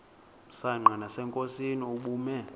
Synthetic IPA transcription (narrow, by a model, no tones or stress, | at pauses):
usaŋ͡ǃʱanasɛŋkʼosiniuɓuːmɛ